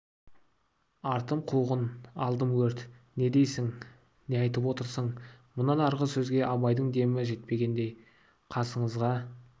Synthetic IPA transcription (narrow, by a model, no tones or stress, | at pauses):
ɑɾt̪əmqʰuʁənɑlˠd̪əmwɵɾt̪ne̞d̪e̞jsɪŋ | neɑjt̪əpwo̞t̪əɾsəɴmʊnːɑnɑɾʁəsɵzɡʲe̞ʔɑbɑjd̪əɴd̪e̞mɪʒe̞t̪̚pe̞ɡʲe̞nd̪e̞j | qʰɑsəɴəzʁɑ